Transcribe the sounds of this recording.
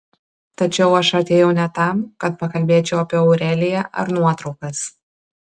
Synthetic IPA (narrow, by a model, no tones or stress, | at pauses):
t̪ɐt͡ʃʲɛʊɐʃɐt̪ʲeːjɛʊnʲɛt̪ɐˑmkɐt̪̚pɐkɐlʲbʲeːt͡ʃʲɛʊɐpʲiɛːɔʊɾʲɛːlʲɪjɛʔɐ̰ɾnuɔt̪ɾɒʊkɐs